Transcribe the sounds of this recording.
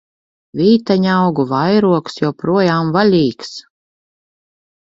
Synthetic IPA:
vʲiːt̪aɲawɡuvajɾuɔksjawpɾuɔjaːmvalʲiːks

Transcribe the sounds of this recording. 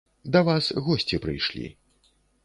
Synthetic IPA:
d̪ɐvasɣɔsʲt͡sʲipɾɨ̰jʂlʲḭ

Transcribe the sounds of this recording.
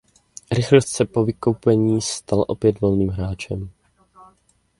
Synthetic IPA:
ɾɪxlost̪sɛpo̞vɪkowpɛɲiːst̪alʔo̞̰pjɛdvo̞lniːmɦɾaːt͡ʃɛm

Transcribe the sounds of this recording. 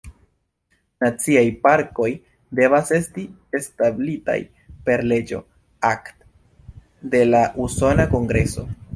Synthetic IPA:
nat͡siajpaɾko̞j | de̞vase̞sti | establita̰j | pe̞ɾle̞d͡ʒo̞̰ | akt | de̞laʔuso̞nako̞ŋɡɾe̞so̞

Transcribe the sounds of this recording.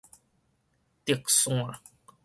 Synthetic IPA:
t̪iksuŋa

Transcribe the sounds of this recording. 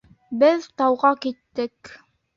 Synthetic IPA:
bɘðt̪ɑwʁɑkit̪ːɘk

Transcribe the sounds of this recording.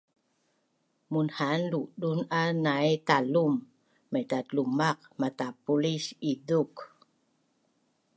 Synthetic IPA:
munhanluɗunanajt̪alumː | ajtat̪lumaq̚mat̪apulisiðuk

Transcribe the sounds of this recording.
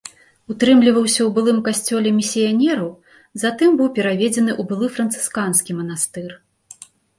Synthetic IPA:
ut̪ɾɨmlʲivɐwsʲɐwbɨlˠɨmkasʲt͡sʲɔlʲɛmʲisʲijanʲɛɾɐw | zat̪ɨmbɨwpʲɛɾavʲɛd͡zʲɛnɨʔubɨlˠɨfɾɐnt̪sɨ̥skanskʲimɐnast̪ɨr

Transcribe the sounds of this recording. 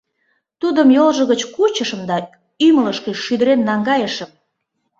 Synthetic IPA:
t̪ud̪əmjolʒə̆ɣət͡ɕkut͡ɕəʃə̆md̪ɑ | ymələʃkĕʃyd̪əɾenːɑŋɡɑjəʃəm

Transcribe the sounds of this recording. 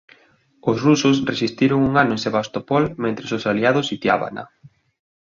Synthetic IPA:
ʊsrusʊsresist̪iɾoŋuŋanʊẽŋseβast̪opɔlmẽnt̪ɾesosaliaðʊsit̪ja̰βa̰na̰

